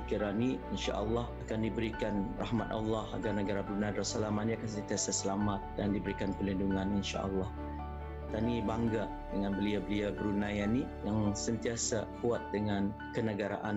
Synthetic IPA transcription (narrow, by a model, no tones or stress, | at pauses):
kiɾaniinʃa̰ʔalːɑhakandibəɾikanra̰hmat̪a̰lːaha̰ɡarnəɡaɾabəɾunajdasalamaʔnĩakans̬ənt̪iasasəlamat̪̚dandibəɾikanpərlinduŋãninʃa̰ʔa̰lːɑh | t̪anibaŋɡa | dəŋanbəliabəliabəɾunãjani | jaŋsənt̪iasakuat̪̚dəŋan | kənəɡaɾa̰ʔan